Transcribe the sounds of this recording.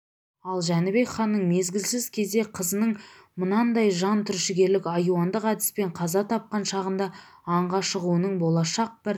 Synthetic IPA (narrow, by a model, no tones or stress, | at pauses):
ɑlˠʒænɪbe̞kχɑnːəɴme̞zɡʲɪlsɪzkʲʰe̞zd̪e̞qʰəzənəɴ | mʊnɑnd̪ɑjʒɑnt̪ʰʏɾʃɪɡʲe̞ɾlɪkʲɑjuɑnd̪əqæd̪ɪ̥spe̞ɴqʰɑzɑt̪ʰɑp̚qɑnʃɑʁənd̪ɑ | ɑɴʁɑʃəʁuənəɴbo̞lˠɑʃɑq̚b̥ɪɾ